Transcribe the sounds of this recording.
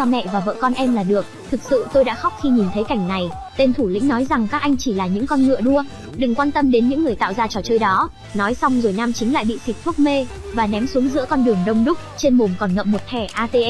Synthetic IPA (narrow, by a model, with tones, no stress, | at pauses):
ɔ˧mɛ̰˧˨vaː˨˩və̰ː˧˨kɔ˧nʔɛ˧mlaː˨˩ɗɨ˨˩ək̚t̪ʰɨ˨˩k̚sɨ̰˧˨t̪o˧jɗa̰ː˧˥xa˦˥wk͡p̚xi˧ɲi˨˩nt̪ʰə˨˦jka˧˩jŋ̟na˨˩jt̪e˧nt̪ʰu˧˩lḭ̈˧˥ŋnɔ˨˦jza˨˩ŋkaː˦˥k̚ʔa˧jŋ̟t͡ɕi˧˩laː˨˩ɲɨ̰˧˥ŋkɔ˧nŋɨ̰˧˨əɗu˧ə | ɗɨ˨˩ŋkwaː˧nt̪ə˧mɗe˨˦nɲɨ̰˧˥ŋːɨ˨˩əjt̪a̰ː˧˨wzaː˧t͡ɕɔ˧˩t͡ɕəː˧jɗɔ˨˦ | nɔ˨˦jsa˧wŋ͡mzu˧˩jnaː˧mt͡ɕï˨˦ŋ̟la̰ː˧˨jɓḭ˧˨si˨˩k̟̚t̪ʰʊ˦˥k͡p̚me˧ | vaː˨˩nɛ˨˦msu˨˦əŋzɨ̰˧˥əkɔ˧nɗɨ˨˩əŋɗə˧wŋ͡mɗʊ˦˥k͡p̚t͡ɕe˧nɓu˨˩mkɔ˨˩nŋə̰˧˨p̚mo˨˩t̚t̪ʰɛ˧˩ʔaː˧t̪e˧ʔ